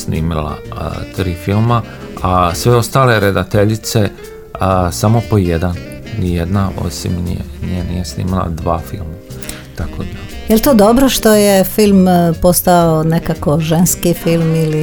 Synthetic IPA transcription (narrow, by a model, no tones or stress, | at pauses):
snḭːmilˠa̰ə̰t̪ɾiːfilˠma | asʋeo̞st̪aːle̞ɾed̪at̪eʎit̪se̞ | samo̞pojed̪an | ijed̪nao̞̰simnḭjḛnienḭjesnḭːmilˠa̰d̪ʋaːfḭlˠma | t̪akʰod̪a | jelt̪od̪obɾoʃt̪ojefilˠmpost̪aonekakoʒenskifilˠmili